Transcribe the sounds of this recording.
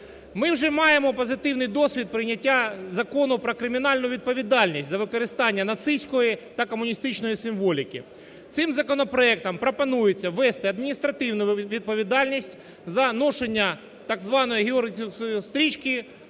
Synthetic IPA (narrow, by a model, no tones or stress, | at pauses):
mɪwʐɛmɑjemɔpɐzɪt̪ɪwnɪjd̪ɔsʲʋʲid̪̚pɾɪnʲɐtʲːazɐkɔnʊpɾɐkɾɪmʲɪnɑlʲnʊjʊʋʲid̪̚pɐʋʲid̪ɑlʲnʲisʲtʲzɐʋɪkɐɾɪst̪ɑnʲːɐnɐt̪sɪsʲkɔjit̪ɐkɐmʊnʲist̪ɪt͡ʃnɔjisɪmʋɔlʲɪkʲɪ̰ | t̪sɪmzɐkɔnɐpɾɔɛk̚t̪ɐmpɾɐpɐnujʊt͡sʲːɐʋɛst̪ɪɐd̪mʲinʲist̪ɾɐt̪ɪwnʊjʊʋʲid̪̚pɐʋʲid̪ɑlʲnʲisʲtʲ | zɐnɔʂenʲːɐ | t̪ɐɡzʋɑnɔjiɦʲɪorʲsʊjʊst̪ɾʲit͡ʃkʲɪ